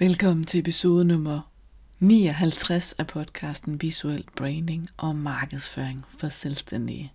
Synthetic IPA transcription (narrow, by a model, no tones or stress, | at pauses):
ʋelkʰɒ̽m̰n̩t͡sʰe̝epʰiso̝ːð̞ˠənɔ̽mɐ | nḭːɒɦælt͡sʰʁasæpʰɒ̽d̥̚kʰɑ̈ːsd̥n̩ʋisuel̰b̥ʁeɪnd̥eŋʔɒ̽mɑ̈ːɡ̥əð̩ˠsføːɐeŋfɒ̽selsd̥en̰d̥ḭ